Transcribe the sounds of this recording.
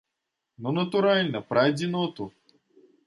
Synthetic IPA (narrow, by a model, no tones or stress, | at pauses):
nonɐt̪uɾalʲnəpɾajd̪ʲinot̪u